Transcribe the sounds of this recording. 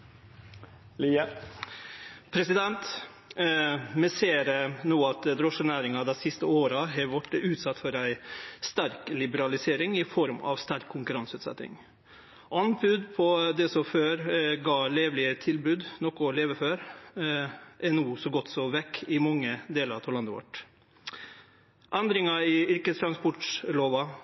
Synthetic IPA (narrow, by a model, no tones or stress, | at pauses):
liə | pʰɾɛsɪd̪ɛnt̪ | mɛseːɾnuːɑt̪d̪ɾɔʂənæːɾɪŋɑd̪æɪsɪst̪əoːɾɑɦɑʋɔʈːəʉːt̪sɑt̪ːfɔɾæɪst̪æɾklɪbəɾɑlɪseːɾɪŋɪfɔɾmɑ̰ʋst̪æɾkʰːʊŋkʉɾɑnsʉːt̪sɛ̰t̪nɪ̰ŋ | ʔɑnpʰʉd̪pʰɔd̪ɛsɔføːɾɡɑːleːʋlɪət̪ʰɪlbʉːd̪nɔkʊleːʋəføːɾ | ʔɛnuːsɔɡɔt̪ːsɔʋɛkːɪmɑŋːəd̪eːləɾt̪ʰɔlɑnd̪əʋɔ̰ʈ | ʔɛnd̪ɾɪŋɑɪʏɾkəst̪ʰɾɑnspɔʈloːʋɑ